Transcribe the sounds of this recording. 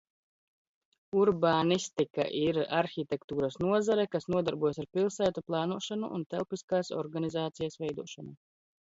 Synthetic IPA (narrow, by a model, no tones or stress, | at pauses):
uɾbaːnist̪ika̰ʔiɾaɾxit̪ʲɛkt̪uːɾasnuɔzaɾɛkasnuɔd̪aɾbuɔjasaɾpilˠsæːt̪uplˠaːnuɔʃanuʔːnt̪ɛlˠpiskaːsɔ̰ɾɡanizaːt̪sijasvɛjd̪uɔʃanu